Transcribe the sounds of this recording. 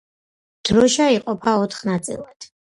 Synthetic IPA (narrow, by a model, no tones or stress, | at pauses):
d̪̥ɾɔʃaiqʼɔpʰaɔt̪ʰχnat̪sʼḭlˠad̪̥